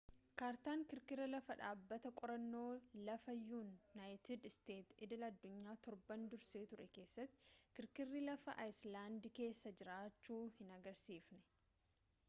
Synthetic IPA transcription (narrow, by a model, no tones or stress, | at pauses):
kaːɾt̪aːŋkɪɾkɪɾːɐlɐfɐᶑaːbːɐt̪ɐkʼɔɾɐnːo̞ːlɐfɐjːuːnːaːjt̪ɪd̪ɪst̪e̞ːt̪ɪd̪ɪlɐɐd̪ːʊɲːaːt̪ɔɾbɐnd̪ʊɾseːt̪ʊɾɛke̞ːsːɐt̪ːɪ̥kɪɾkɪrːilɐfɐʔajslaːnd̪ɪke̞ːsːɐd͡ʒɪɾaːt͡ʃːuːhɪnɐɡɐɾsiːfnɛ̥